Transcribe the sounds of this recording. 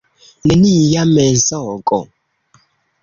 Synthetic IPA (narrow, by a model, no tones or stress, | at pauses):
nenijamɛnzɔkʼɔ̰